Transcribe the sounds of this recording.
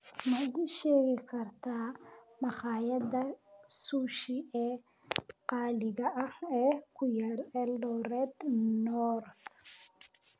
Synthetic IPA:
mɐðiʃɛːɣɪkʰɐrt̪ʰaːmɐχɑːjɐðɐsuːʃiɛː | qɑːlɪɣɐʔɐhɛːkʰʊjɐɾɛlːɔɾɛːd̪nɔɾθ

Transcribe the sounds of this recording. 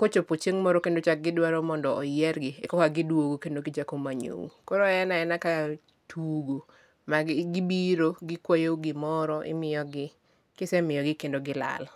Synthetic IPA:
kot͡ʃopot͡ʃeŋmɔɾokendot͡ʃak̚ɡɪdwaɾɔmɔndɔːjɛɾɡɪɛkɔkaɡɪdwoɡokendoɡɪt͡ʃakomaɲo̰wṵkɔɾɔɛnaɛnaka | tuɡo | maɡɡɪbiɾoɡɪkwajouɡɪmɔɾɔʔɪ̰mɪjɔɡɪ | kɪsɛmɪjɔɡɪkendoɡɪla̰l

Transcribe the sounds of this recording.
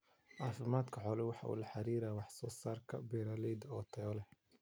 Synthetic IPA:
ʔɑːfɪmaːd̪kʰɐħɔːlɛwɑħɑ̰ʔṵːlɐħɑɾiːɾaːwɑħsɔːsaːrkʰɐ̰bɛɾaːlɛd̪ɔːt̪ʰɛɔlɛh

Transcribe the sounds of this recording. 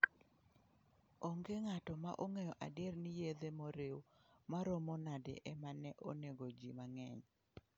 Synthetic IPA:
oŋɡeŋatɔma̰ʔoŋɛjɔʔa̰dɪernɪjed̪emoɾewmaɾomɔnadḛʔɛmanɛʔoneɡod͡ʒimaŋɛɲ

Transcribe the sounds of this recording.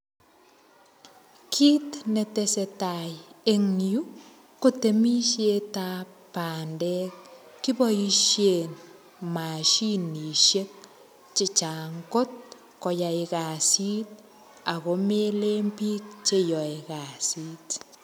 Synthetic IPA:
kʰiːtnɛtesɛtajeŋju | kutemiʃeta | paːndɛk̚ | kːibɔjiʃjen | maʃiniʃek̚ | t͡ʃit͡ʃaŋkɔt̚ | kɔjaikasit̚ | akomeleːmpik̚t͡ʃejɔikasiːt

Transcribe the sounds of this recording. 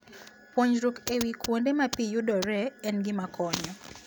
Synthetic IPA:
pwoɲɾukewikwondemapijudɔɾɛːnɡɪmakɔɲɔ

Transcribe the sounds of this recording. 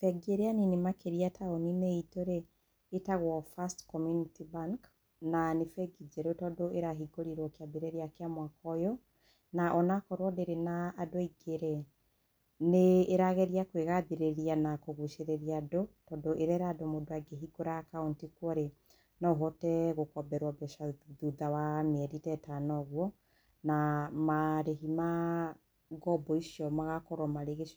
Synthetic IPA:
fɛɡieɾeaninemakeɾiatʰaonineitoɾeː | taɣwɔfastkɔmjunitibaŋk | nanefɛɡid͡ʒeɾotɔdoeɾaɦiɡoɾiɾwɔkeaðiɾeɾiakeamwakɔjɔ | naʔɔnakɔɾwɔðeɾenaːdoiɡeɾe | neːɾaɣɛɾijakweɣaðeɾeɾianakoɣuʃeɾeɾiadotɔːndoʔeɾɛɾadomodoaɡeɦiɡoɾakaontikwɔɾe | nɔɦɔtɛɣokɔbɛɾwabɛʃaðuðawameɛɾitɛtanɔɣwɔ | namaɾeɦima | ɡɔbɔiʃjɔmaɣakɔɾwɔmaɾeɣeʃ

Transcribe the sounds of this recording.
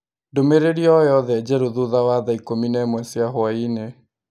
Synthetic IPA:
ndomeɾeɾiɔjɔðɛd͡ʑɛɾoðuðawaðaikominɛmwɛsjaɦwaine

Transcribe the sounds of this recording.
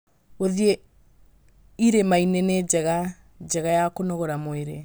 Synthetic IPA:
oðie | iɾemainened͡ʒɛɣa | d͡ʒɛɣajakonoɣoɾamoeɾe

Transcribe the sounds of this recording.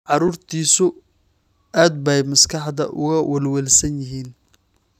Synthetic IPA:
ʕɑɾuːrt̪ʰiːsʊ | aːd̪̚bɛjmɐskʰɑħd̪ɐ̰ʔʊ̰ɣɐwɛlwɛlsɐnjɪɦiːn

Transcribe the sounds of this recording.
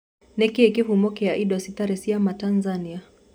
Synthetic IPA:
nɛkiɛkifumɔkɛaʔiɗɔsitaɾɛsiamatanzania

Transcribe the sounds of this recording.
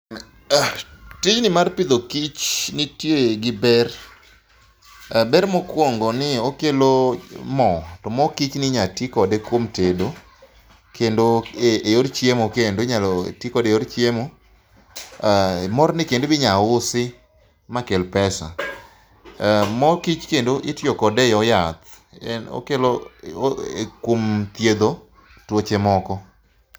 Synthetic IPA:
tɪd͡ʒnɪmarpɪd̪okit͡ʃnɪtjoeɡɪbɛr | bɛɾmɔkwoŋɡɔnɪokelomɔtɔmɔkit͡ʃnɪɲatikɔdekwomtedo | kendoeejoɾt͡ʃjemokendoɲaltikɔdeoɾt͡ʃjemo | mɔɾnɪkendobɪɲaʊsɪ | makelpɛsa̰ | mɔkit͡ʃkendoʔɪtjokɔdɛɔjat̪ | ɛno̰kelo | ekwomt̪jed̪o | twot͡ʃemɔkɔ

